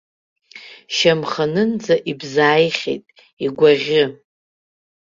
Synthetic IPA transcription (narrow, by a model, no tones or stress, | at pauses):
ʃamχanɨnd͡zaʔibzaːjχʲḛjtʼ | iɡʷaʁʲɪ